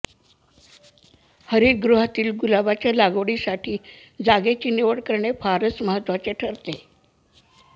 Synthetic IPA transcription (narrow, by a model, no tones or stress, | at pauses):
həɾiɾɡɾuɦat̪iːlɡulabat͡ɕjalaɡʋɽisaʈʰiː | d͡zaɡet͡ɕiːneʋəɽkəɾɳefaɾəsməɦət̪ːʋat͡seʈʰəɾt̪e